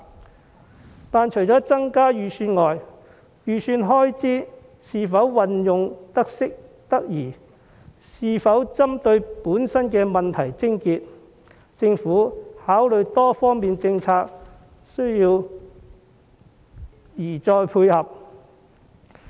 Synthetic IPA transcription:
t̪aː˨nt͡ʃʰɵ˨˩jt͡sɔː˨˥t͡sɐ˥ŋkaː˥jyː˨˩syː˧nŋɔː˨j | jyː˨syː˧nɦɔː˥jt͡siː˥ | siː˧fɐ˨˥wwɐ˨njʊ˨ŋt̪ɐ˥k̚sɪ˥k̚t̪ɐ˥k̚jiː˨˩ | siː˧fɐ˨˥wt͡sɐ˥mt̪ɵ˧ɥpuː˨˥nsɐ˥nkɛː˧mɐ˨nt̪ʰɐ˨˩jt͡sɪ˥ŋkiː˧t̚ | t͡sɪ˧ŋfuː˨˥haː˨˥wlɵ˨˧ɥt̪ɔː˥fɔː˥ŋmiː˨nt͡sɪ˧ŋt͡sʰaː˧k̚ | sɵ˥ɥjiː˧w | jiː˨˩t͡sɔː˧jpʰuː˧jhɐ˨p̚

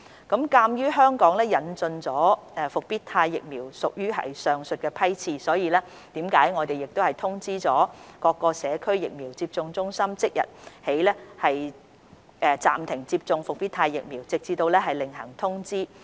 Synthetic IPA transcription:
kɐ˨˥mkaː˧mjyː˥ɦœː˥ŋkɔː˨˥ŋlɛː˥jɐ˨˧nt͡sɵ˧nt͡sɔː˨˥ɛ˨˧fʊ˨k̚piː˥tt̪ʰaː˧jːɪ˨k̚miː˨˩wsʊ˨k̚jyː˥ɦɐ̰˨jsœː˨˧ŋsɵ˨t̚kɛː˧pʰɐ˥jt͡sʰiː˧sɔː˨˥jiː˨˧lɛː˥ | t̪iː˨˥mkaː˨˥jŋɔː˨˧t̪e˨jɪ˨k̚t̪o˥whɐ˨jt̪ʰʊ˥ŋt͡siː˥t͡sɔː˨˥kɔː˧kːɔː˧sɛː˨˥kʰɵ˥ɥjɪ̰˨k̚miː˨˩wt͡siː˧p̚t͡sʊ˧ŋt͡sʊ˥ŋsɐ˥mt͡sɪ˥k̚jɐ̰˨t̚he˨˥jlɛː˥hɐ˨j | ʔɛ˨˧t͡sa̰ː˨˩mt̪ʰɪ˨˩ŋt͡siː˧p̚t͡sʊ˧ŋfʊ˨k̚piː˥t̪ʰaː˧jːɪ̰˨k̚miː˨˩wt͡sɪ˨k̚t͡siː˧t̪o˧wlɛː˥ɦɐ˨jlɪ˨ŋɦɐ̰˨˩ŋt̪ʰʊ˥ŋt͡siː˥

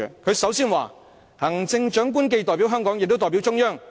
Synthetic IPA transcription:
kʰɵ˨˧ɥsɐ˨˥wsiː˥nwaː˨˩ | hɐ˨˩ŋt͡sɪ˧ŋt͡ʃœː˨˥ŋk̬uː˥nk̬e˧jt̪ɔː˨jpi˨˥wɦœː˥ŋkɔː˨˥ŋjɪ˨k̚t̪o˥t̪ɔː˨˩pi˨˥wt͡sʊ˥ŋjœː˥ŋ

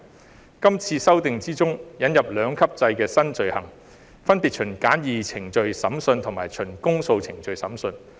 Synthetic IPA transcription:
kɐ˥mt͡sʰiː˧sɐ˥wt̪ɪ˨ŋt͡siː˥t͡sʊ˥ŋjɐ˨˥njɐ˨p̚lœː˨˧ŋkʰɐ˥p̚t͡sɐ˧jkɛː˧sɐ˥nt͡ʃɵ˨ɥhɐ̰˨˩ŋ | fɐ˥npiː˨t̚t͡ʃʰɵ˨˩nkaː˨˥njiː˨t͡sʰɪ˨˩ŋt͡ʃɵ˨˧ɥsɐ˨˥msɵ˧nt̪ʰʊ˨˩ŋmaː˨˩jt͡ʃʰɵ˨˩nkʊ˥ŋso˧wt͡sʰɪ˨˩ŋt͡ʃɵ˨ɥsɐ˨˥msɵ˧n

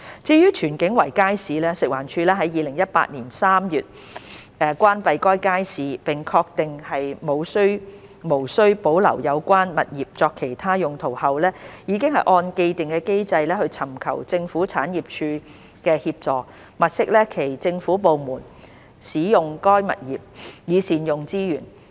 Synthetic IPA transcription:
t͡siː˧jyː˥t͡ʃʰyː˨˩nkɪ˨˥ŋwɐ˨˩jkaː˥jsiː˨˧lɛː˥sɪ˨k̚waː˨˩nt͡ʃʰyː˧lɛː˥ɦɐ˨˥jiː˨˧lɪ˨˩ŋjɐ˥t̚pa̰ː˧t̚niː˨˩nsaː˥mjyː˨t̚ | ɛ˨˧kʷwaː˥npɐ˧jkɔː˥jkaː˥jsiː˨˧pɪ˨ŋkʰɔː˧k̚t̪ɪ˨ŋhɐ˨jmo˨˧wsɵ˥ɥ | mo˨˩wsɵ˥ɥpo˨˥wlɐ̰˨˩wjɐ˨˧wkʷaː˥nmɐ̰˨t̚jiː˨p̚t͡sɔː˧kʰe˨˩jt̪ʰaː˥jʊ˨ŋt̪ʰo˨˩whɐ˨wlɛː˥jiː˨˧kɪ˥ŋhɐ˨jʔɔː˧nke˧jt̪ɪ˨ŋkɛː˧ke˥jt͡sɐ˧jlɛː˥hɵ˧ɥt͡sʰɐ˨˩mkʰɐ̰˨˩wt͡sɪ˧ŋfuː˨˥t͡sʰaː˨˥njiː˨p̚t͡ʃʰyː˧ | kɛː˧hiː˧p̚t͡sɔː˨k̚ | mɐ˨t̚sɪ˥k̚lɛː˥kʰe˨˩jt͡sɪ˧ŋfuː˨˥po˨wmuː˨˩n | siː˨˥jʊ˨ŋkɔː˥jmɐ̰˨t̚jiː˨˩p̚jiː˨˧siː˨˩njʊ˨ŋt͡siː˥jyː˨˩n

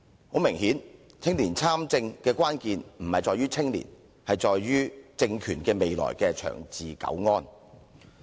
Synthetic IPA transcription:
ho˨˥wmɪ˨˩ŋhiː˨˥n | t͡sʰɪ˥ŋliː˨˩nt͡sʰaː˥mt͡sɪ˧ŋkɛː˧kʷwaː˥nkiː˧nm̩˨˩hɐ˨jt͡sɔː˨jɥyː˥t͡sʰɪ˥ŋlḭː˨˩n | hɐ˨jt͡sɔː˨jɥyː˥t͡sɪ˧ŋkʰyː˨˩nkɛː˧me˨jlɔ̰ː˨˩jkɛː˧t͡ʃʰœ̰ː˨˩ŋt͡siː˨kɐ̰˨˥wŋɔː˥n

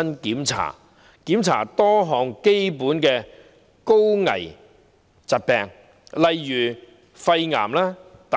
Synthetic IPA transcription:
ɐ˥nkiː˨˥mt͡sʰa̰ː˨˩ | kiː˨˥mt͡sʰa̰ː˨˩t̪ɔː˥ɦɔː˨ŋke˥jpuː˨˥nkɛː˧ | ko˥wŋɐ̰˨˩j | t͡sɐ˨t̚pɛː˨ŋ | lɐ˨jːyː˨˩ | fɐ˧jŋa̰ː˨˩mlaː˥t̪a˨

